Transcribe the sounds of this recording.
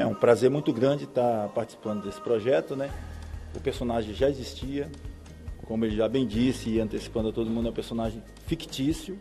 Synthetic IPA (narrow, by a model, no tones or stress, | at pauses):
ɛũpɾazeɾmũj̃t̪ʊɡɾɐ̃d͡ʒɪt̪apaɾt͡ʃi̥si̥pɐ̃nd̪ʊd̪esɪ̥pɾoʒɛt̪ʊnɛʊpeɾsonaʒẽj̃ʒaezist͡ʃiɐ | kõmʊelɪʒabẽj̃d͡ʒisɪɪɐ̃nt̪esi̥pɐ̃nd̪ʊat̪od̪ʊmũd̪ʊɛ̃peɾsõnaʒẽj̃ | fikt͡ʃisjʊ